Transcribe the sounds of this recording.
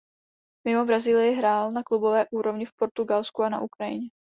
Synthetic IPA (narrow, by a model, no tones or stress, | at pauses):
mɪmo̞bɾaziːlɪjɪɦɾaːlnaklubo̞vɛːʔuːɾo̞vɲɪfpo̞ɾt̪uɡalskuana̰ʔukɾajɪ̰ɲɛ